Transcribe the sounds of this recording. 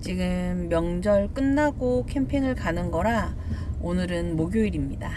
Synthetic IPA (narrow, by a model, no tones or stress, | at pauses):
t͡ɕiɡɯmːjʌŋd͡ʑʌɭk͈ɯnːaɡokʰe̞mpʰiŋɯɭkanɯnɡʌɾa | onɯɾɯnmoɡjoiɾimɲida